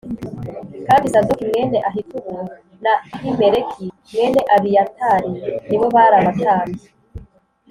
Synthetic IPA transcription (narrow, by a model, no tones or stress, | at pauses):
kaːbisadokimŋeːneʔaɦikuβu | nahimeɾekʰi | mŋeːneʔaβijataɾiniβo̞βaɾaβaktaːni